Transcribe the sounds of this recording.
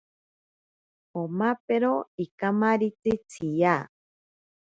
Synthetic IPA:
omapeɾoikamaɾit͡sɨt͡sʰija

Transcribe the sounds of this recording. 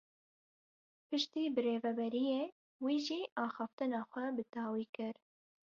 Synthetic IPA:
pɨʃt̪iːbɨreːvɛbɛɾijeː | wiːʒiːʔɑːxɑːft̪ɨnɑːxʷɛbɨd̪ɑːwiːkɨɾ

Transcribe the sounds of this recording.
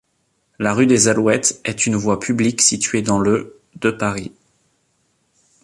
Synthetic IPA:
laʁyd̪ezalwɛt̪ɛt̪ynvwapʰybliksit̪ɥed̪ɑ̃lə | d̪əpaʁi

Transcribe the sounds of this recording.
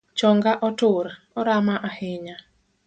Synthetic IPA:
t͡ʃɔŋɡaʔɔtʊɾ | ɔɾamaʔahɪɲa

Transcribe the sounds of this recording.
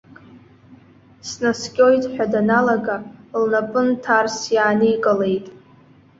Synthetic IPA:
snaskʲʼojtʼħʷᶣadanalaɡalnapʼɨntʰarsjaːnijkʼalejtʼ

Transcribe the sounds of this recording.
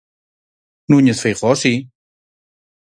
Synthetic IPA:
nuɲəsfejʁɔsi

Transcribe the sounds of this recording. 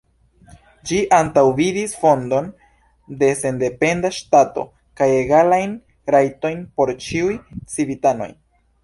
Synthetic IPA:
d͡ʒiʔantawvidisfo̞ndo̞n | de̞se̞nde̞pe̞ndaʃtato̞̰ | kaje̞ɡalajn | ɾajto̞jnpo̞ɾt͡ʃiujt͡sibitano̞̰j

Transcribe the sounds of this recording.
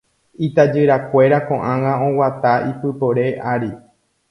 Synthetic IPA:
it̪ad͡ʒɨɾakʷe̞ɾakõ̞ʔãŋãõ̞wat̪aipɨpo̞ɾe̞ʔaɾi

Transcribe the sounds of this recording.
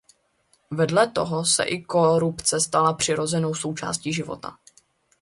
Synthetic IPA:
vɛdlɛt̪o̞ɦo̞sɛ̰ʔɪko̞ɾupt͡sɛst̪alapr̝̥ɪɾo̞zɛno̞wso̞wt͡ʃa̰ːsciːʒɪvo̞̰t̪a̰

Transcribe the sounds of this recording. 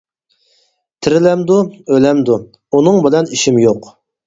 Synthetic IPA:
t̪ʰɪɾɪlɛmd̪uølɛmd̪u | unɨŋbɪlɛniʃimjoq

